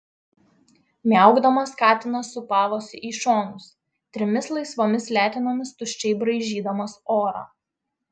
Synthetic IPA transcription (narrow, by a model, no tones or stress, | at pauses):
mʲɛˑʊɡd̪ɐmɐskɑːt̪ʲɪnɐsʊpɑːʋoːsʲʊʔiːʃoːnʊs | t̪ʲɾʲɪmʲɪslˠɐɪsʋoːmʲɪslʲæːt̪ʲɪnoːmʲɪst̪ʊʃʲt͡ʃʲɛɪbɾɐɪʒʲiːd̪ɐmɐsoːɾɑ̰ː